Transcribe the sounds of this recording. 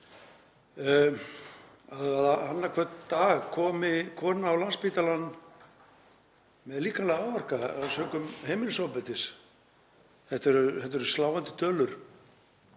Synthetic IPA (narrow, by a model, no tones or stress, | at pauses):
aðaðhanːakʰvɛt̪t̪aːɣkʰɔːmɪkʰɔːnaːwlanspiːt̪alanː | mɛðliːkanlɛɣaawvar̥kaaðsœːkʏmheːjmɪnsawpɛt̪ɪs | θɛht̪ɛɾʏɛht̪ːɛɾst̪laːwvant̪ɪ̥t̪œːlʏɾ̥